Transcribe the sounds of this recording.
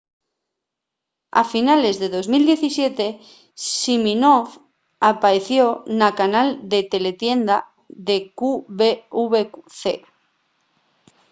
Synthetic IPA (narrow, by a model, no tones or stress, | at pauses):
a̰finale̞zðe̞ðo̞zmild̪jeθisje̞t̪e̞ | siminof | apaɾeθjonakanald̪e̞t̪e̞le̞t̪je̞nd̪a | ðe̞kuβeuβekuθe